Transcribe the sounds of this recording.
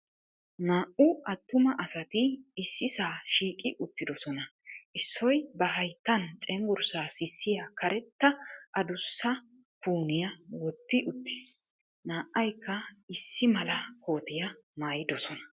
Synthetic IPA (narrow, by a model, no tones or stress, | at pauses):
naːʔʊɐt̪ːʊmɐʔɐsɐt̪ɪːsːɪsaːʃiːkʼɪʔʊt̪ːɪd̪ɔsɔnɐʔɪsːɔjbɐɦɐjt̪ːɐnt͡ʃʼɛŋɡʊɾsaːsɪsːɪjɐkɐɾɛt̪ːɐʔɐd̪ʊsːɐ | fuːnɪjɐwɔt̪ːɪʔʊt̪ːɪ̥s | naːʔːɐjkːɐɪsːɪmɐlɐkʰo̞ːt̪ɪjɐmaːjɪd̪ɔsɔnɐ̥